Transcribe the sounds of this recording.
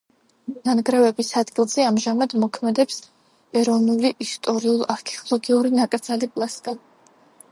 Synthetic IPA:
nanɡɾɛvɛbisad̪ɡilˠz̥ɛamʒamad̪mɔkʰmɛd̪ɛps | ɛɾɔvnuliʔist̪ʼɔɾiulˠaɾkʰɛɔlˠɔɡiuɾinakʼɾd̪zalipʼlˠaskʼa

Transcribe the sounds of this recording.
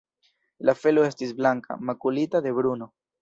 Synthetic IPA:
lafe̞loe̞stis̬blaŋka̰makulitad̪e̞βɾuno̞

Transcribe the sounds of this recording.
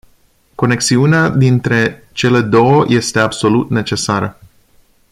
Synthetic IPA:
ko̞ne̞ksiunead̪int̪ɾe̞ | t͡ʃe̞le̞d̪o̞wəjʔe̞st̪e̞abso̞lut̪ne̞t͡ʃe̞saɾə

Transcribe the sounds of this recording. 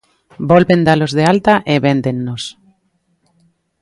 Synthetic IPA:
bolβend̪alozðealt̪aʔeβend̪enːos

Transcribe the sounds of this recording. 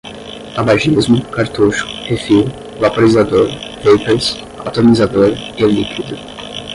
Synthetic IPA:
abaʒizmʊkaɾt̪uʃʊ̥efiw | vapoɾizad̪oɾpejpeɾs | a̰wt̪omizad̪oɾɪlikid̪u

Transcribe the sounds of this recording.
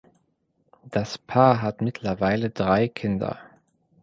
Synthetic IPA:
d̥aspʰaːɐɦatmɪtʰlɐvaɪlədʁaɪkʰɪndɐ̰

